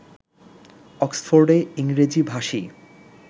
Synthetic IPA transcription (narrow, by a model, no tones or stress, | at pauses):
ɔksfoɾɖeiŋɾed͡ʑibʱaʃi